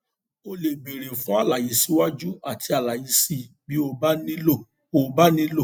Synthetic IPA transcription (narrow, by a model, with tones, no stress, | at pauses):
o˧le˨ɡ͡be˨ɾe˨fũ˨˦a˦˨la˨ji˨˦si˦wa˦d͡ʒu˦a˦˨tʰi˧a˨la˨ji˧si˦˨bi˨˦o˧ba˦nĩ˦lo˦˨ | o˦˨ba˦nĩ˦lo˦˨